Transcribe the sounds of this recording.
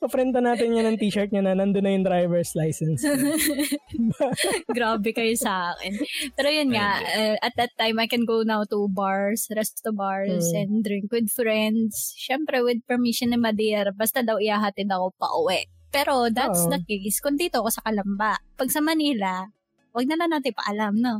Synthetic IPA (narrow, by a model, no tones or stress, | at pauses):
pɐpɾɛnt̪ɐnaːt̪ɪnɲɐnɐŋt̪iːʃɐɹt̪̚ɲanɐnɐnd̪onːɐjʊŋd̪ɾajvɛɹslajsɛns | bɡɾaːbɛkɐjosɐʔaːkɛnppɛːɾojʊnŋaʔɐʔɐt̪̚d̪ɐt̪ːajmajkɛnɡownawt̪ubaɹsɾɛst̪t̪ubaɹsɛ̃nd̪d̪ɾɪŋkwɪd̪̚fɾɛnd̪sʃɛmpɾɛwɪd̪̚pɛɹmiʃonɛmɐd̪ɛɾbɐst̪ɐd̪ɐwɪhaːɦat̪ɛd̪ɐko̞pɐ̰ʔʊwɛʔ | pɛːɾo̞d̪atsd̪ɐkejskʊnd̪iːt̪okosɐkɐlɐmbaʔpɐɡsɐmɐniːlɐ | wɐɡ̚nɐlaŋnaːt̪ɪpɐ̰ʔɐlamno